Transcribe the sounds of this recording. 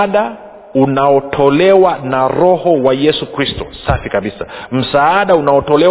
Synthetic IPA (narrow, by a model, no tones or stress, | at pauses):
ɗa | unaɔtʰɔlɛwanaɾɔhɔwajɛsukɾistɔ̰safikaɓisam̩saaɗaunaɔtɔlɛ